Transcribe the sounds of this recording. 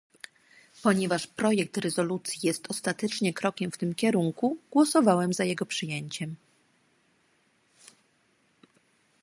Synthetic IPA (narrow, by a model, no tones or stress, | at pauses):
pɔɲɛvaʂpɾɔjɛk̚t̪ɾɛzɔlut̪sʲjijɛst̪ɔst̪at̪ɛt͡ʂɲɛkɾɔkʲɛmft̪ɘmkʲɛɾuŋkuɡwɔsɔvawɛmzajɛɡɔpʂɘjɛɲt͡ɕɛm